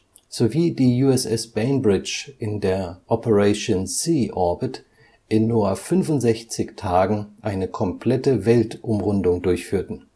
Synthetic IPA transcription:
z̥oviːdiːjuːɛsɛsb̥ɛɪnbʁɪt͡ʃʔɪndeːɐʔɔpəʁɛʃonsiːʔɔɐbɪt | ʔɪnːuːɐfʏnvʊntz̥ɛçt͡sɪçtʰaːɡŋ̩ʔaɪnəkʰɔmpʰl̥ɛtəvɛltʔʊmʁʊndʊŋdʊɐçfyːɐtn̩

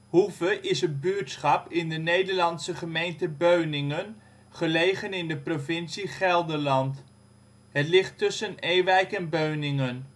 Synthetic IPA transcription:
huvəʔɪsɦət̚byːtsχɑpɪndənejdəɹlɑnsəχəmejntəbøɥnɪŋən | χəlejχənɪndəprovɪnsiχɛlˠdəɹlɑnt | ɦətlɪχtɵsənejʋɛjkɛnbøɥnɪŋən

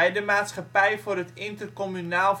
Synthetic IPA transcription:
ɛjdəmaːtsχapɛjfʊːrɦətɪntərkɔmynaːlˠ

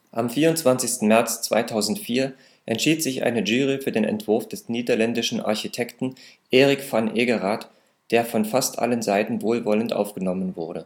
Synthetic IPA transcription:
ʔamfiːɐʊntt͡sv̥ant͡sɪçstn̩mɛɐt͡st͡sv̥a̰ɪtʰaʊzn̩tfiːɐ | ʔɛntʃiːtz̥ɪçʔa̰ɪnəʒyːʁifyːɐdeːnɛ̰ntv̥ʊɐfd̥ɛsniːdɐlɛndɪʃn̩ʔa̰ɐçitʰɛktn̩ʔeːʁɪkfanʔeːɡəʁaːt | d̥eːɐfɔnfastʔa̰lənzaɪtn̩voːlvɔləntʔa̰ʊfɡ̥ənɔmənvʊɐdə

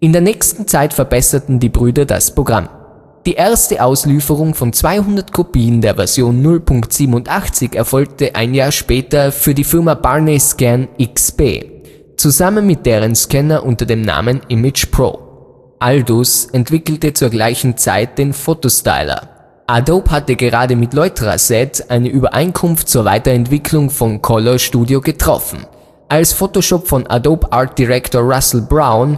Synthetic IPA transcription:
ʔɪndeːɐnɛːçstn̩t͡saɪtfɛɐbɛsɐtn̩diːbʁyːdɐda̰spʁ̥oɡʁa̰m | d̥iːʔeɐstəʔaʊsliːfəʁ̞ʊŋfɔnt͡sv̥aɪhʊndɐtkʰopiːəndeːɐvɛɐz̥joːnːʊlpʰʊŋktz̥iːbm̩ʊntʔaχt͡sɪçɛɐfɔlk̚tʰəʔa̰ɪnjaːɐʃpɛːtɐfyːɐdiːfɪɐmab̥aɐneskɛnɪksb̥ḛː | t͡suzamənmɪt̚d̥eːʁ̞ənskɛnɐʔʊntɐdeːmna̰ːmənɪmɪt͡ʃpʁ̥o̰ː | ʔaldusɛntv̥ɪkl̩tət͡suːɐɡlaɪçn̩t͡sa̰ɪt̚d̥eːnfoːtosta̰ɪlɐ̰ | ʔadoːphatəɡəʁaːdəmɪtlɔʏtʁa̰sɛtʔaɪnəʔyːbɐʔa̰ɪnkʰʊnftt͡suːɐva̰ɪtɐɛntv̥ɪkʰlʊŋfɔnkʰɔlɔʃtuːdjoɡətʁ̥ɔ̰fn̩ | ʔalsfoːtoʃopfɔnʔa̰doːpaɐt̚d̥iʁɛktoːɐʁasl̩bʁaʊn

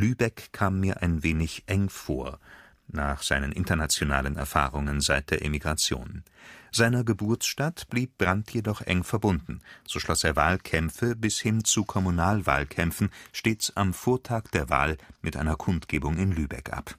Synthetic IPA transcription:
lyːbɛkʰːaːmːiːɐʔaɪnveːnɪçʔɛŋfo̰ːɐ | naːχz̥a̰ɪnənʔɪntɐnat͡sjona̰ːlənɛ̰ɐfa̰ːʁ̞ʊŋənzaɪt̚d̥eːɐʔemiɡʁat͡sjo̰ːnz̥aɪnɐɡəbʊɐsʃtatb̥liːp̚b̥ʁantʰjedɔχʔɛ̰ŋfɛɐbʊndn̩z̥oːʃlɔseːɐvaːlkʰɛmfəbɪshɪnt͡sukʰɔmunaːlva̰ːlkʰɛmfn̩ʃteːt͡samfoːɐtʰaːkd̥eːɐva̰ːlmʔɪtʔa̰ɪnɐkʰʊntɡ̥eːbʊŋɪnlyːbɛ̰kʔa̰p

